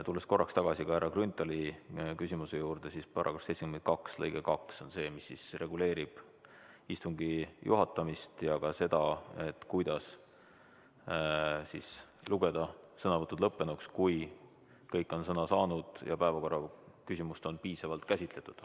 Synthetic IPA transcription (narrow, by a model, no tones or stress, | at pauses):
t̪ulːe̞sko̞rːɑkst̪ɑɡ̥ɑsikɑhæɾɑɡrynt̪ːˑɑlikysimuse̞juːɾd̪̥e̞sispɑɾʔɑ̰ko̥sejtt͡ssekyment̪̚kɑkslɤ̰jɡ̥ekɑkso̞nse̞ːmisːisre̞ɡ̥ule̞ːɾib̥ | ist̪uŋɡijʔṵɦɑt̪ːˑɑmist̪jɑkɑse̞d̪̥ɑe̞t̪ːkujd̪̥ɑs | sis | luɡe̞d̪̥ɑsɤnɑvɤt̪ːˑud̪lɤpːe̞nukskuj | kɤjkːˑo̞nsɤnɑsɑːnud̪̥jɑ̰pæevɑko̞rːɑkysimust̪o̞npiːsɑvɑlt̪kæsʲit̪le̞t̪ːˑud̪̥